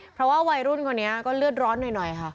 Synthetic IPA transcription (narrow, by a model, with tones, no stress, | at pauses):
pʰɾɔ˦˥waː˥˩wa˧jɾu˥˩nkʰa˧nːi˦˥ɐkɔː˥˩lɯ˥˩ət̪̚ɾɔː˦˥nːɯː˧˩jnɔ˨˩jkʰa˥˩ʔ